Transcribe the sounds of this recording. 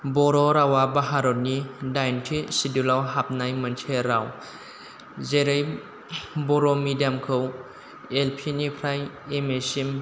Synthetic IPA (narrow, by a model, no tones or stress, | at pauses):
bɔɾɔɾawabaɦaɾɔt̚nidajntʰisidulawɦap̚najmantʰeɾaw | zeɾej | bɔɾɔmidiamkʰɯw | elpʰinikʰɾaj | emesim